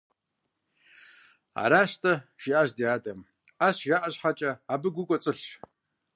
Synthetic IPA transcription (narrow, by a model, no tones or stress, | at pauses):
a̰ːɾaːɕtʰɐʒ̥iʔaʑdijaːdʼɐm | aɕʒaːʔɐɕħat͡ʃʼɐabɨɡʷʊkʷʼɔt͡sʼɨɬʃ